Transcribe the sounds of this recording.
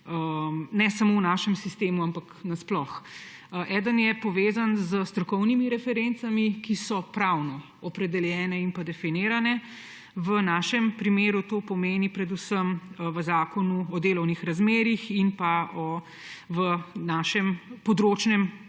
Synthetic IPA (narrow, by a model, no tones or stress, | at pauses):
ənɛsamownaːʃɛmsist̪eːmuampaknasplɔxʔɛːd̪ənjɛpɔʋeːzanzəst̪ɾɔkɔwnimiɾɛfɛɾent̪samikisɔpɾawnɔ | ɔpɾɛd̪ɛljɛːnɛinpad̪ɛfiniːɾanɛ | ʋənaːʃɛmpɾimeːɾut̪oːpɔmeːnipɾɛd̪usəmʋəzaːkɔnuɔd̪eːlɔwnixɾazmeːɾixinpaɔ | ʋənaːʃɛmpɔd̪ɾot͡ʃnɛm